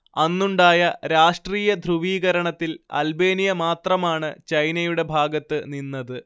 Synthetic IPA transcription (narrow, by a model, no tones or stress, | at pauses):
ɐnːuɳɖaːjɐɾaːʂʈriːjɐd̪ʱruʋiːɣɐɾɐɳɐt̪ːilɐ̰lbe̞ːnijɐmaːt̪rɐmaːɳɨt͡ɕɐjnɐjuɽe̞bʱaːɡɐt̪ːɨninːɐðɨ